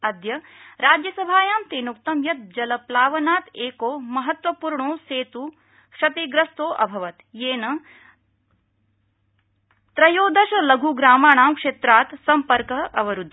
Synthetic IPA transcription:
ɐd̪jɐɾaːd͡ʒjɐsɐbʱaːjaːmt̪eːnukt̪ɐmjɐt̪̚d͡ʒɐlɐplaːʋɐnaːt̪eːkoːmɐɦɐt̪ʋɐpuːɾɳoːseːt̪u | kʂɐt̪iɡɾɐst̪oːʔɐ̰bʱɐʋɐt̪jeːnɐ | t̪ɾɐjoːd̪ʱɐʃɐlɐɡʱuɡɾaːmaːɳaːmkʂeːt̪ɾaːt̪sɐmpɐɾkɐɦʔɐʋɐɾud̪ʱː

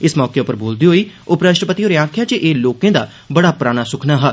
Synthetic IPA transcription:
ɪsmɔːkeʊpəɾboːld̪iːɦoːiːʊpɾəʃʈəpət̪ioːɾaːkʰjaːt͡ʃəʔeːloːkẽːd̪a̰ː | bəɽaːpɾaːɽ̃aːsʊkʰnaːɦaː

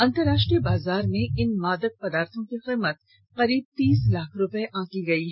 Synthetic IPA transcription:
ɐ̃nt̪əɾaːʃʈɾibaːzaːɾmẽʔɪnmaːd̪ək̚pɐd̪aːɾt̪ʰõkiqiːmət̪ | qɐɾiːb̚t̪iːslaːkʰɾʊpeʔãːkiɡɐiɦ

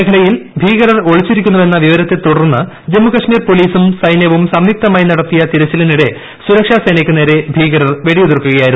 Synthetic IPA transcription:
eɡʰʱɐɭɐjilbʱiːɣɐɾɐro̞ɭit͡ɕːiɾikʲːunːɐʋe̞nːɐʋiʋɐɾɐt̪ːe̞t̪uɽɐrnːɨ | d͡ʑemːukɐʂmiːrpo̞liːsumsɐjnjɐʋumsɐmjik̚t̪ɐmaːjinɐɽɐt̪ːijɐt̪iɾɐt͡ɕːɐlɐniɽe̞ | suɾɐkʂaːsɐjnɐkʲːɨne̞ːɾe̞bʱiːɡɐɾɐrʋeɽiuðurkːuɣɐjaːjiɾu

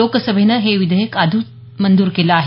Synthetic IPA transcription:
okəsəbʱenəɦeʋid̪ʱəjekad̪ʱu | mənd̪uːɾkelaaɦe

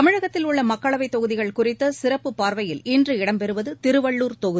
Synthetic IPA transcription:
t̪ɐmɪɻɐɣɐt̪ːɪlʊɭːɐmɐkːɐɭɐʋɐɪt̪ːɔɣɯðɪɣɐɭkʊrɪt̪ːɐsɪrɐpːɯpːaːɾʋɐjɪlɪndrɯɪɽɐmpɛɾɯʋɐðɯt̪ɪɾɯʋɐɭːuːɾt̪ɔɣɯðɪ

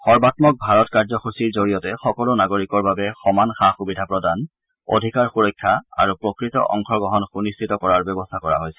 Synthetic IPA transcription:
xɔɹbatmɔk̚bʱaɹɔtkaɹzɔxusiɹzoɹijɔtɛxɔkɔlonaɡoɹikɔɹbabɛxɔmanxaxubidʱapɹɔdan | o̰dʱikaɹxuɹɔjkʰːaa̰ɹupɹɔkɹitɔ̰ʔɔ̰ŋxɔɡɔɦɔnxunistʰitɔkɔɹaɹbɛbɔstʰakɔɹa̰ɦojsɛ̥

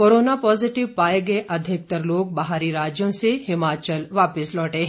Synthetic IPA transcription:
koːɾoːnapɔːzɪʈɪʋpaːeɡɐeʔɐd̪ʱɪk̚t̪əɾloːɡ̚bɐɦaːɾiɾaːd͡ʒjõsehɪmaːt͡ʃəlʋaːpɪslɔːʈeɦ

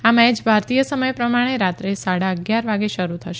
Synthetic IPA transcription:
amɛd͡ʒbʱaɾt̪ijəsəməjpɾəmaɽ̃eɾat̪ɾesaɽaəɡjaɾʋaɡeʃəɾut̪ʰəʃe

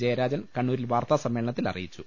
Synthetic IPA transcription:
d͡ʑejɐɾaːd͡ʑɐnkɐɳːuːɾilʋaːrt̪aːsɐmːeːɭɐɳɐt̪ːilɐ̰rijit͡ɕːu

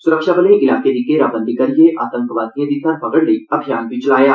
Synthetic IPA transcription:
sʊɾəkʃabəleʔɪlaːked̪ikːeɾaːbə̃nd̪ikɐɾijeʔa̰ːt̪ə̃ŋkʋaːt̪ijə̃d̪it̪ʰaːnpɐɡəɽleiɐbʱijaːnbʱit͡ʃɐlaːjaː

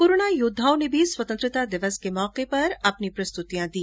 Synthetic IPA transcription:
kʊɾoɳajʊd̪ʱːaːõnebʱiswɐt̪ənt̪ɾɪt̪ad̪ɪʋəskemɔːqepɐɾɐpnipɾɐst̪ut̪ijãd̪ĩː

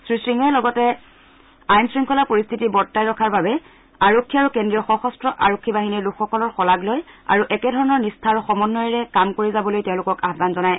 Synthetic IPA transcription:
sɹisɹiŋɛlɔɡɔtɛ | ajnsɹiŋkʰɔlapoɹist̪ʰitibɔɹtːajɹɔkʰaɹbabɛ | aɹokʰːiaɹukendɹijɔxɔxɔstɹɔʔaɹokʰːibaɦiniɹlukʰxɔkɔlɔɹxɔlaɡloja̰ɹuʔɛkɛdʱɔɹɔnɔɹnistʰaɹxɔmɔnːɔjɹɛkamkoɹizabɔlojtɛʊ̃lʊkɔkaɦbanzɔnaj

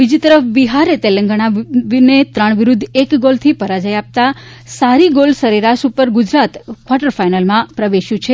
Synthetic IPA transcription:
bid͡ʒit̪əɾəfbiɦaɾet̪elə̃ŋɡəɳ̃ainet̪ɾəɳ̃ʋiɾud̪ʱːekɡolt̪ʰipəɾad͡ʒəjap̚t̪a | saɾiɡolsəɾiɾaʃupəɾɡʊd͡ʒɾat̪kʋaʈəɾfajnəlmãpɾəʋeʃjũt͡ʃʰe

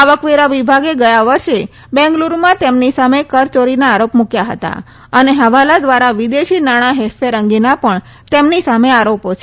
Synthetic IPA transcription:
aʋəkʋeɾaʋibʱaɡeɡəjaʋəɾʃe | bɛ̃ŋɡluɾmãt̪emnisamekəɾt͡ʃoɾinaːɾopmukjaɦə̰t̪a̰ | əneɦəʋalad̪ʋaɾaʋid̪eʃinaɽ̃aɦelfʰeɾəŋɡinapəɳ | t̪emnisameaɾopot͡ʃʰ

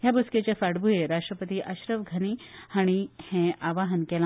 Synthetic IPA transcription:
ɦjabusket͡ɕafaɽbʱujeɾaʂʈɾəpət̪iʔɐɕɾəʋɡʱənihaɽ̃ihɛ̃ʔaʋaɦənkela

